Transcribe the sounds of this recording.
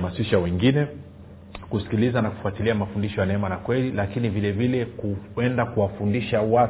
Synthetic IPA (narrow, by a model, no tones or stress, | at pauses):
masiʃawɛŋɡinɛ | kusi̥kilizanaku̥fuatiliamafundiʃɔjanɛɛmanakwɛlilakinivilɛvilɛkuɛndakuwafundiʃawa